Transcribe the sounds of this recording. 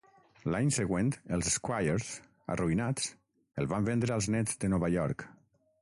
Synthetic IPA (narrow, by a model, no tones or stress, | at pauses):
laɲsəɣwent̪əlˠzeskwajəɾz | ə̰rʔuinat͡s | əlˠβambend̪ɾəalˠznɛd͡zd̪ənɔβaʎɔɾk